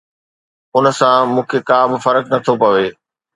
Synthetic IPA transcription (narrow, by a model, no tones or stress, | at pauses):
ʊnə̆sãmũːkʰekaːbɪfɐɾəknɐt̪ʰopɐʋeː